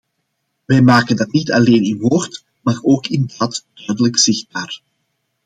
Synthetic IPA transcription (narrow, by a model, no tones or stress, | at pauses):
ʋɛjmaːkəndɑtnitɑleːnɪnʋoːrt | maːroːkɪndaːtd̥œɥdələkz̥ɪxd̚baːr